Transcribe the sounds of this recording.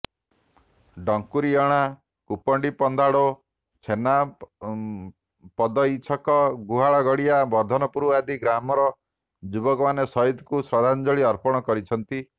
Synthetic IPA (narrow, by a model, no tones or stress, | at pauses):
ɖɔŋkuɾiɔɽ̃a | kupɔɳɖipɔnd̪ʱaɽo | t͡ʃʰena | pɔd̪ɔit͡ʃʰɔkɔɡuɦaɭɔɡɔɽiabɔɾd̪ʱɔnɔpuɾuad̪iɡɾamɔɾɔ | d͡ʒubɔkɔmanesɔid̪kusɾɔd̪ʱand͡ʒɔɭiɔɾpɔɽ̃ɔkɔɾit͡ʃʰɔnt̪i